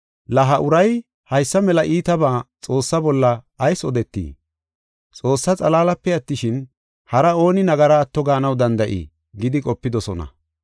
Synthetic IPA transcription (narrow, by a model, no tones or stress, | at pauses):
lɐɦɐʔʊɾɐj | hɐjsːɐmɛlɐʔiːt̪ɐbaːt͡sʼo̞ːsːɐbɔlːɐː | jsɔd̪ɛt̪ːḭː | t͡sʼo̞ːsːɐt͡sʼɐlaːlɐpːɛɐt̪ːɪʃɪn | hɐɾɐo̞ːnɪnɐɡɐɾaːt̪ːɔɡaːnɐwd̪ɐnd̪ɐʔḭː | ɡɪd̪ɪkʼɔpːɪd̪ɔsɔnɐ̰